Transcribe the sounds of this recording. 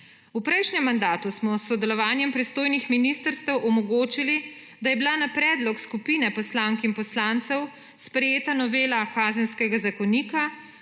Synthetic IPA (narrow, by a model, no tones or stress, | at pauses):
upɾɛjʃɲɛmːand̪aːt̪usmɔsːɔd̪ɛlɔʋaːnjɛmpɾist̪oːjnixminist̪əɾst̪ɛwʔɔmɔɡoːt͡ʃili | d̪ajɛbilanapɾɛːd̪lɔkskupiːnɛpɔslaːŋkinpɔslaːnt̪sɛw | spɾɛjeːt̪anɔʋeːlakaːzɛnskɛɡazakɔniːka